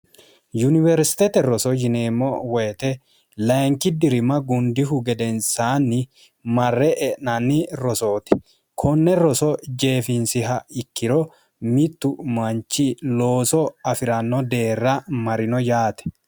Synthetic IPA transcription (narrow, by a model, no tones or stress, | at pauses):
jʊnɪvɛɾsɪ̥t̪et̪ɛɾɔsɔd͡ʒɪneːmːɔwɛjt̪ɛ | lɐŋkɪd̪ɪɾɪmɐɡʊnd̪ɪɦʊɡɛd̪ɛnsaːnːɪ | mɐrːɛʔɛʔnɐnːɪɾɔso̞ːt̪ɪ̥ | kʰɔnːɛɾɔsɔd͡ʒe̞ːfɪnsɪɦɐɪkːɪɾɔ | mɪt̪ːʊmɐnt͡ʃːɪlo̞ːsɔɐfɪɾɐnːɔd̪e̞ːrːɐmɐɾɪnɔjaːt̪ɛ̥